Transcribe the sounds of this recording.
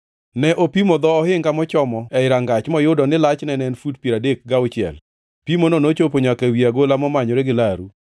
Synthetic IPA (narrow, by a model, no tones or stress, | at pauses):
nɛʔopimod̪ɔːhɪŋkamɔt͡ʃɔmɔɛɪɾaŋɡat͡ʃmɔjʊdɔnɪlat͡ʃnɛnɛnfudpiɾadek̚ɡaʊt͡ʃɪɛ̰l | pimononot͡ʃop̬oɲakewiaɡolamɔmaɲoɾeɡɪlaɾu